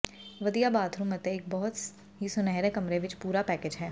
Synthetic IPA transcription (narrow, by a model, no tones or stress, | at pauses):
ʋɐd̪ijabaːt̪ʰɾũmɐt̪eeːk̚bɔɦʊt̪ | ɦisʊnɛɦɾekɐmɾeʋɪt͡ʃpuːɾapɛːked͡ʒɦɛː